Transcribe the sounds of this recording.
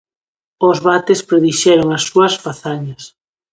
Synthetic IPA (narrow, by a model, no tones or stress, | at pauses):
ozβat̪espɾeðiʃɛɾoŋasːuɐsfaθaɲɐs